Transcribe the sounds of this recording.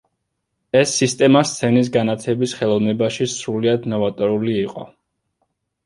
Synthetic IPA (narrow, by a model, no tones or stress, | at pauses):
ɛsːist̪ʼɛmast̪sʰɛnis̬ɡanat̪ʰɛbisχɛlˠɔvnɛbaʃisɾuliad̪nɔvat̪ʼɔɾuliːqʼɔ̰